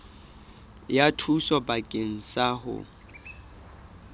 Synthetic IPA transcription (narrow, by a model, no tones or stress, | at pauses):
jatʰusɔbakʼeŋ̩saɦʊ̰